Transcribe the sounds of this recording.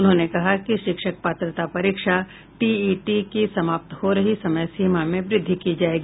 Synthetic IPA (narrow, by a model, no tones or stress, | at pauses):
ʊnɦõːnekɐɦakiʃɪkʃək̚paːt̪ɾət̪apɐɾiːkʃa | ʈiːiːʈikisɐmaːp̚t̪hoɾɐɦisɐməjsiːmamẽʋɾɪd̪ʱːikid͡ʒaːeːɡiː